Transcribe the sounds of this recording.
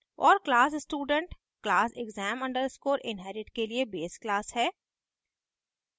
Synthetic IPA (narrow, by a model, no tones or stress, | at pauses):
ɔːɾklaːsɪsʈuːɖə̃ɳʈ | klaːsɪɡzɛːmɐ̃ɳɖəɾskoːɾɪ̃nɦɛːɾɪʈkeliebeːsklaːsɦɛː